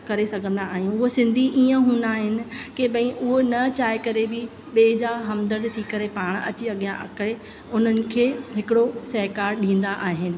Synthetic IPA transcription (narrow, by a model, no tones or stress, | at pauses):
kɐɾesɐɡʱə̃nd̪aːɦɪjũʊɦosɪ̃nd̪ʱiʔiːə̃ɦũːnd̪aːɦɪnɪ̆keɓɐ̃ĩʔʊɦonɐt͡ɕaːekɐɾebɪ | ɓeːd͡ʑaːɦɐmd̪əɾt̪et̪ʰikɐɾepaːɽ̃ɐ̰t͡ɕiɐɠijã̰ʔɐ̰kɾe | ʊn̤ənɪ̆kʰeːɦɪkɪɽosɐɦkaːɾɗĩːn̆d̪aʔaːɦɪnɪ̆